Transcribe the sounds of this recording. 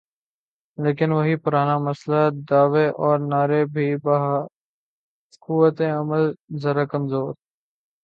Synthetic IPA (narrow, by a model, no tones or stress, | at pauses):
leːkɪnʋɐɦipʊɾaːnamɐslad̪aːʋeʔɔːɾnaːɾebʱibɐɦ | kuʋət̪eɐməlzɐɾakɐmzoːɾ